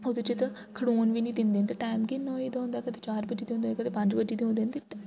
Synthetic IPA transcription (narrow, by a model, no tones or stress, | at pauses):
od̪et͡ʃet̪ | kʰəɽoːnʋiːnĩːd̪ɪ̃nd̪eːnt̪eʈaːjmɡiːnõːiːd̪aɦõnd̪aːkət̪eːt͡ʃaːɾbəd͡ʒiːd̪eːõːnd̪enkət̪eːpə̃ɲd͡ʒbəd͡ʒiːd̪eːɦõnd̪eːnt̪eː